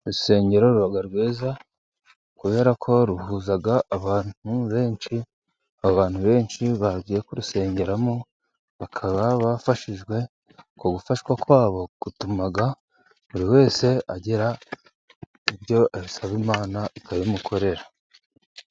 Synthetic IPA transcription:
ɾuse̞ːɲɟe̞ɾo̞ɾuβaɡaɾɡwiːza | kuβe̞ːɾakʰo̞ɾuhuːzaɡaːβaːnuβe̞ːnʃi | aβaβaːn̥huβe̞ːnʃiβaɟiːjekuɾuse̞ːɲɟe̞ɾamo | βakʰaβaβafaʃiʒɡwe̞ | koɡufaʃwakwaːβo̞ɡ̥utumaɡa | βuɾiwe̞ːse̞aɟeɾa | iβjo̞aβisaβimaːnaikʰaβimukʰo̞ɾe̞ɾa

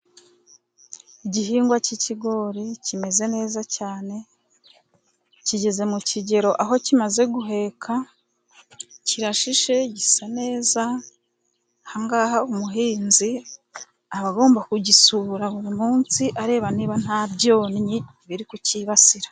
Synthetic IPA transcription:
iɟiɦiːŋɡwaciciɡo̞ːɾicime̞ze̞ne̞ːzacaːne̞ | ciɟe̞ze̞muciɟe̞ɾo̞ʔaɦo̞cimaze̞ɡuɦe̞kʰa | ciɾaʃiʃe̞ɟisane̞ːza | haŋɡaɦaumuɦiːnzi | aβaɡo̞ːmbakuɟisuːɾaβuɾimuːnsiʔaɾe̞ːβaniːβan̥habɟo̞ːnɲi | βiɾikuciːβasiɾḁ

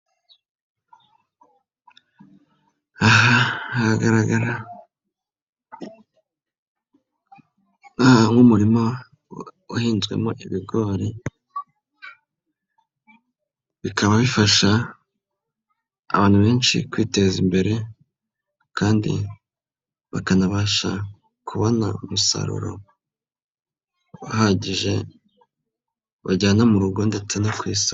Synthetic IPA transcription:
aɦaahaɡaɾaɡaɾa | nahaŋumuɾimo | uhiːnzɡwe̞̰mo̞̰ʔiβiɡo̞ːɾi | βikʰaβaβifaʃa | βaːn̥huβe̞ːnʃḭkwiːte̞zimbe̞ɾe̞ | kaːndḭ | βakanaβaʃa | kʰuβo̞na̰umusa̰ɾṵɾo̞̰ | ahaɟiʒe̞ | βaɟaːnamuɾuɡo̞nde̞t͡se̞nakwiːsi

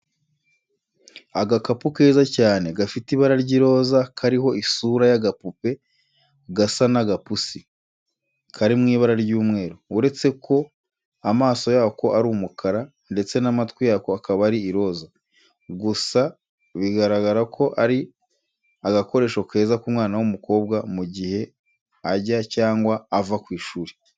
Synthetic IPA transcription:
aɡakapuke̞ːzacaːne̞ɡafitiβaɾaɾɟiɾo̞ːzakʰaɾiɦo̞isuɾajaɡapupe̞ | ɡasanaɡapusi | kʰaɾimŋiːβaɾaɾɟuːmŋe̞ːɾoːɾe̞t͡se̞kʰo̞ | amaːso̞jaːko̞aɾuːmukʰaɾa | nde̞t͡se̞namatwijaːkoakaβaɾiːɾo̞ːza | ɡusa | βiɡaɾaɡaɾakʰo̞ʔaɾi | aɡako̞ɾe̞ːʃokʰe̞ːzakumŋaːnawumuko̞ːbɡamuɟihe̞ | aɟacaːŋɡwaːvakwiːʃuːɾe

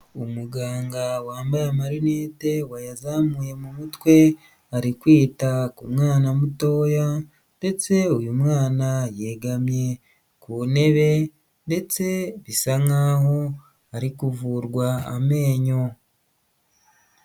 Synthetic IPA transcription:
umuɡaːŋɡawaːmbajamaɾineːte̞wajazamuːje̞mumutwe̞ | aɾikwiːtakumŋaːnamuto̞ːja | nde̞t͡se̞ujumŋaːnaje̞ɡamɲe̞ | kune̞βe̞ | nde̞t͡se̞βisaŋaːho̞ | aɾikuvuɾɡwaa̰me̞ːɲo̞

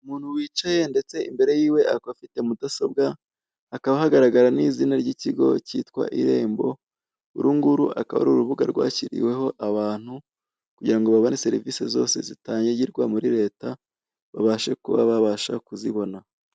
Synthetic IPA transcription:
umuːn̥huwiːt͡ʃaje̞nde̞t͡se̞imbe̞ɾe̞jiːwe̞ʔakafite̞mudaso̞bɡaː | kaβahaɡaɾaɡaɾaniːzinaɾɟiciɡo̞̰citkwa̰ʔiɾe̞ːmbo̞ | uɾuŋɡuɾuʔakaβa̰ɾuɾuβuɡa̰ɾɡwa̰ːciɾḭwe̞ɦo̞ʔaβaːn̥hu | kuɟiɾaŋɡo̞βaβo̞nese̞ɾivise̞zo̞̰ːse̞zitaːɲeɟiɾɡwamuɾiɾe̞ːta | βaβaʃe̞kuβa̰βaβaʃakuziβo̞na

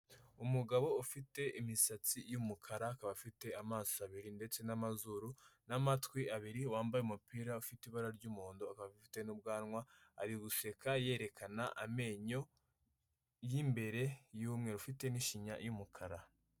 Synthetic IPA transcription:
umuɡaβo̞ufite̞ʔimisat͡sijumukʰaɾakaβafite̞amaːsaβiɾinde̞t͡se̞namazuɾunamatwiaβiɾiwaːmbajeumupiːɾaufitiβaɾaɾɟumuːndoakaβaifite̞nubɡaːnŋwaaɾiɡuse̞kaje̞ːɾe̞kʰanaʔame̞ːɲo̞ | jimbe̞ɾe̞juːmŋe̞ɾufite̞niʃiɲa̰jumukʰaɾa

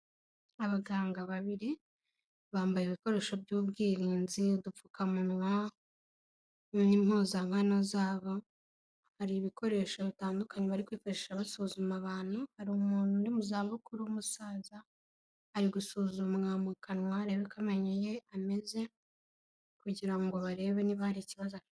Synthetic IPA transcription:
aβaɡaːŋɡaβaβiɾi | βaːmbajiβiko̞ɾe̞ːʃo̞bjɟuːbɡiːɾiːnzidufukamunwa | nnim̥hoːzamhanozaːβo̞ | haɾiːβikʰo̞ɾe̞ʃoβitaːndukaɲeβaɾikwiːfaɾeʃaβasuzumaβaːn̥huhaɾuumuːnhundimuzaːβukuɾumusaːza | haɾiɡusuːzumŋamukʰanwaɾe̞βekameɲeje̞ame̞ze̞ | kuɟiɾaŋɡo̞βaɾe̞ːβe̞niβahaɾiciβazo

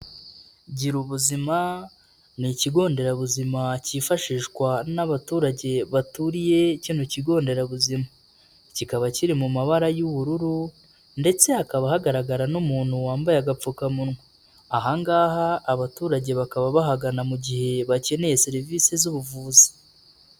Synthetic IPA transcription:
ɟiɾuβuzima | niciɡo̞ːnde̞ɾaβuzimaciːfaʃiːʃɡwanaβatuːɾaɟe̞βatuɾije̞ciːnhuciɡo̞ːnde̞ɾaβuzima | cikaβaciɾimumaβaɾajuβuɾuɾu | nde̞t͡se̞akaβahaɡaɾaɡaɾanumuːn̥huwaːmbajaɡap͡fukamunŋe | aɦaŋɡaːhaːβatuːɾaɟe̞βakaβaβaɦaɡanamuɟihe̞βace̞ne̞jeseɾiviːsezuβuvuːzi̥

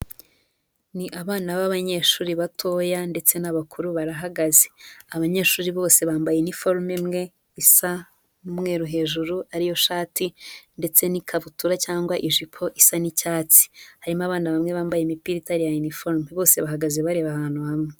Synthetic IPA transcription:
niʔaβaːnaβaβaɲe̞ːʃuːɾiβatʰo̞ːjande̞t͡se̞naβakʰuɾuβaɾaɦaɡaze̥aβaɲe̞ːʃuːɾiβo̞ːse̞βaːmbajenifoɾmemŋe̞ | isa | numŋe̞ːɾuɦe̞ːʒuɾuaɾijo̞ʃaːtinde̞t͡se̞nikʰaβutuɾacaːŋɡwaʔiʒipʰo̞ʔisanicaːt͡si̥haɾimaβaːnaβamŋe̞βaːmbajemipiɾitaɾijajunifo̞ɾmeβo̞ːse̞βaɦaɡaze̞βaɾe̞βahaːnhuhamŋe

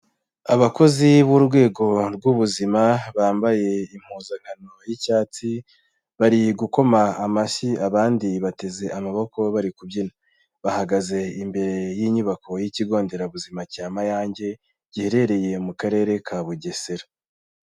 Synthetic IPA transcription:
aβako̞ziβuɾɡwe̞ːɡo̞ɾɡuβuzimaβaːmbaje̞im̥huːzaŋ̥hano̞jicaːt͡si | βaɾiɡuko̞maːmaʃiaβaːndiβate̞ze̞amaβoko̞βaɾikubjina | βahaɡaze̞imbe̞ɾe̞jiɲuβakʰo̞jiciɡo̞ːnde̞ɾaβuzimacaːmajaːɲɟe̞ | ɟiheɾe̞ɾe̞je̞mukaɾe̞ːɾe̞kʰaβuɟeseɾa

